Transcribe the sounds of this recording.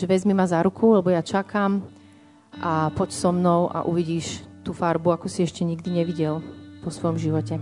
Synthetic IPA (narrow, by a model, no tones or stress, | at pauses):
ʒɛʋɛzmimazaɾukʰulɛbɔjat͡ʃakam | ʔapɔcsɔmnɔʊʔa̰ʔṵʋiɟiːʃt̪uːfaɾbuakɔsiɛʃcɛɲiɡd̪iɲɛʋiɟɛlʋɔsʋɔjɔmʒiʋɔcɛ